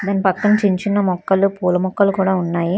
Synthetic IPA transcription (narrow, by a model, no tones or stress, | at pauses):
d̪aːnːipɐkːɐnt͡ʃiɲt͡ʃinːɐmɔkːɐlupuːlɐmɔkːɐlukuːɽaːunːaːji